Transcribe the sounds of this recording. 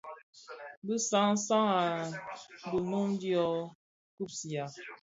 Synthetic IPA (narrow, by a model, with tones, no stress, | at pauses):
bi˦sa˦ŋ̩˦sa˦ŋa˨ | bu˨no˦ŋ˦di˦ɔ˦ | ku˦˨p̚si˨a˨